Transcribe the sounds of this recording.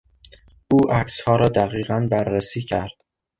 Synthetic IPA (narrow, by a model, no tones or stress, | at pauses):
ʔuːʔækshɒːɾɒːd̪æɣiːɣænbæɾːesiːcʰæɾd̪̥